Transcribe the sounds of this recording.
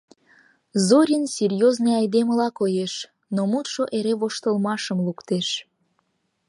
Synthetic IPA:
zoɾʲinserʲjozneɑjd̪eməlɑkojeʃ | nomut̪ʃoʔeɾeβoʃt̪əlmɑʃəmlukt̪eʃ

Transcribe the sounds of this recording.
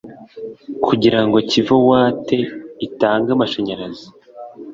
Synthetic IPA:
kʰuɟiɾaŋɡo̞civowaːte̞itaːŋɡamaʃaɲaɾazi̥

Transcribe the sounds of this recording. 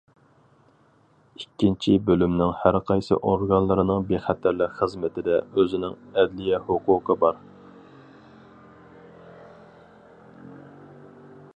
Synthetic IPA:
ikʲːint͡ʃʰibølymnɪŋhæɾqʰɑjsɨ̰ʔoɾɡɑnlˠɨɾɨnɨŋbeχæt̪ʰæɾlɪkχəzmɪt̪ʰɪd̪ɛøzɪnɪŋɛd̪lɪjɛhʊqʰʊːqʰəbɑɾ

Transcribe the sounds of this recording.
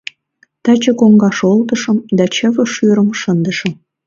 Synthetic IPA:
t̪ɑt͡ɕə̆koŋɡɑʃolt̪ə̆ʃə̆md̪ɑt͡ɕə̆βə̆ʃyɾə̆mʃənd̪ə̆ʃə̆m

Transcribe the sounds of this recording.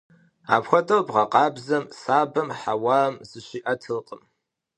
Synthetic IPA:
a̰ːpʰxʷɐtʼɐwbʁɐqʼɑːbzɐmsaːbɐmħawaːmzɨʃiʔɐtʰɨlqʼəm

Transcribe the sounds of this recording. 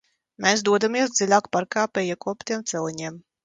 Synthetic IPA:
mɛsd̪uɔd̪amiɛsd̪zilʲaːkpaɾkaːpʲɛjɛkuɔpʲt̪iɛmt̪sɛlˠiɲiɛm

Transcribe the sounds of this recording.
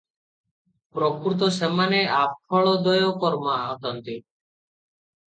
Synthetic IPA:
pɾɔkɾut̪̬ɔsemaneap̚ʰɔɭɔd̪ɔjɔkɔɾmaɔt̪ɔnt̪i

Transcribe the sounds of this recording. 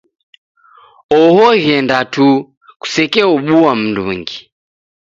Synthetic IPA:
ɔhɔɣɛndatu | ku̥sɛkɛɔɓuam̩ndṵŋɡi

